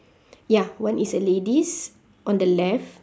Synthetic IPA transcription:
jawãnisəledis | ʔɔ̃ndəlɛf

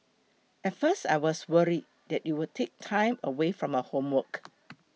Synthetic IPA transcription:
ʔɛtfəsta̰ɪwɔswəɹid̚ | dɛt̚juwətʰek̚tʰãɪ̃məwefɹɔ̃məhõmwək

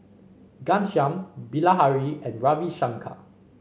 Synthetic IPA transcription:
ɡãnʃjãmbilaɦaɹiɛ̃nɹaviʃãŋkʰa̰

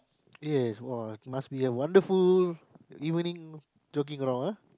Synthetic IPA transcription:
jɛswɔɪt̚masbiəwãndəful | ivə̃nĩŋ | d͡ʒokɪ̃ŋɹɔ̃ŋa

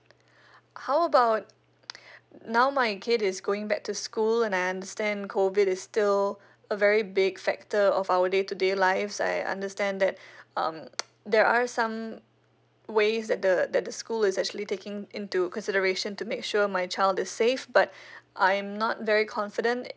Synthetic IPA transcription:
haʊəbaʊt̚ | naʊmaɪkʰɪdɪsɡoɪ̃ŋbɛk̚tuskulɛ̃najãndəstɛ̃nkʰovɪɾɪsstɪl | əvɛɹibɪɡfɛ̰k̚təɔvaʊədetudelaɪvsa̰ɪã̰ndəstɛ̃nd̪ɛt̚ʌ̰̃m | d̪ɛɹʔasãm | weɪzdɛt̚d̪əd̪ɛt̚d̪əskulɪzɛk̚t͡ʃuəlitekɪ̃ŋɪ̃ntukɔ̃nsɪɾəɹeʃə̃ntumekʃuəmaɪt͡ʃaɪlˠdɪssefbat̚ʔãɪ̃mnɔt̚vɛɹikʰɔ̃nfɪdə̃nt

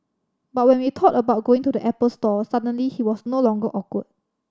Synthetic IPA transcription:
bat̚wɛ̃nwitʰɔtəbaʊt̚ɡ̥oɪ̃ŋtudəʔɛpəlstɔsadə̃nlihiwɔsnolɔ̃ŋɡəʔɔkwət̚

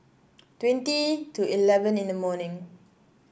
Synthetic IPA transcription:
twɛ̃ntituilɛvə̃nĩndəmɔnĩŋ

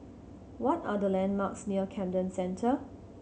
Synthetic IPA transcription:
wɔtadəlɛ̃nmaksniəkʰɛ̃mdə̃nsɛ̃ntʰə

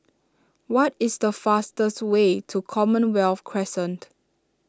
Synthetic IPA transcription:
wɔtɪsdəfastəswetʰukʰɔmə̃nwɛlfkʰɹɛsə̃nt

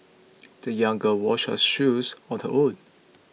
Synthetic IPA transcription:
d̥əjãŋɡəwɔʃhə̰sʃusɔtəʔod

